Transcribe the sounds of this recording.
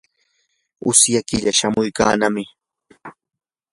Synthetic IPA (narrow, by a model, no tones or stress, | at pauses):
ʊ̰sjakɪʎaʃamʊjka̰ːnamɪ